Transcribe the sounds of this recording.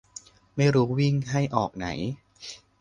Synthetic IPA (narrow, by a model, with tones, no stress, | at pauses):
ma˥˩jɾuː˦˥wi˥˩ŋɦa˥˩jʔɔː˨˩k̚na̰˩˦j